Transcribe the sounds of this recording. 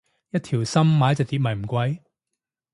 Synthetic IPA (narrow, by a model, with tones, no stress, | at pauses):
jɐ˥t̚t̪ʰiː˨˩wsɐ˥mːaː˨˦jɐ˥t͡sɛ˨˩t̪i˧t̚mɐ˨˩jm̩˨˩kʷɐ˧j